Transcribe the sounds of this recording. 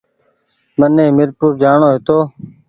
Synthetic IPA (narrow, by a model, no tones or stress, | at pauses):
mənːẽːmɪɾpuːɾd͡ʒaːɳoːɦɪt̪oː